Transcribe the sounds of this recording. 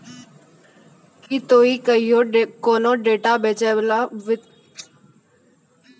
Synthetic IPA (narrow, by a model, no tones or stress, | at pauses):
kiːt̪oːiːkəijoːkoːnõːɖeːʈaːbeːt͡ʃeːʋlaːʋɪ